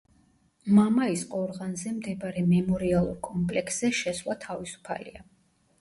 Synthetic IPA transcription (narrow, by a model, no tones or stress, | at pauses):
mamaisqʼɔɾʁanzɛmd̪ɛbɾɛmɛmɔɾialˠuɾkʼɔmpʼlɛksz̥ɛʃɛswlˠat̪ʰavisu̥pʰa̰lḭa